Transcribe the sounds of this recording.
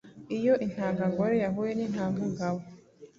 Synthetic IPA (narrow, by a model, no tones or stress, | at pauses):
ijo̞ʔin̥haːŋɡaŋɡoɾejaɦujenin̥haːŋɡaŋɡaβo